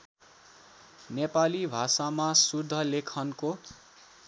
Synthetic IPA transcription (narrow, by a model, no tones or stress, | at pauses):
nepalibʱasamasud̪ʱːʌlekʰʌnko